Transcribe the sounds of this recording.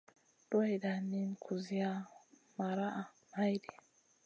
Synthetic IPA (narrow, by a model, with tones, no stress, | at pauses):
d̥ɔ˦jda˨nːi˦nkʰu˨zi˦a˦ma˨ɾa˦ʔa˨ | ma˦jdɛ̥˨